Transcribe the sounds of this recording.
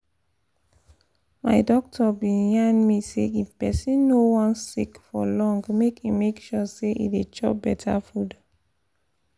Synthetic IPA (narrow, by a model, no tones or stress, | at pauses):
maɪdɔk̚tʰɔbĩnjanmisḛipɛsĩnːowɔ̃nsikfɔlɔ̃ŋɡmekimekʃɔseʔḭdet͡ʃɔp̚bɛtʰafud